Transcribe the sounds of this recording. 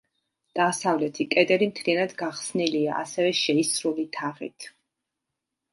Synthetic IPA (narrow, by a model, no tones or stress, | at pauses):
d̪̥asavlɛt̪ʰikʼɛd̪ʼɛɾimt̪ʰlianad̪ɡaχsnilia̰ʔasɛvɛʃɛisɾulit̪ʰaʁḭt̪ʰ